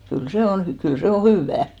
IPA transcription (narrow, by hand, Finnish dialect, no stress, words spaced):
kyl se on hy kyl se o hyˑʋːæː